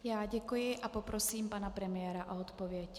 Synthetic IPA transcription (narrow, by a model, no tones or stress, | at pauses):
jaːɟɛkujɪʔʔapo̞pɾo̞siːmpanapɾɛmɪjɛːɾaʔoot̪povjɛc